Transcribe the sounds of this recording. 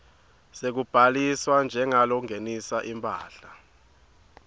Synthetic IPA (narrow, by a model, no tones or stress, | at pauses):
sek̬ub̥ʱaliswand͡ʒʱɛŋalɔŋenisaʔimpʼa̰ːɬa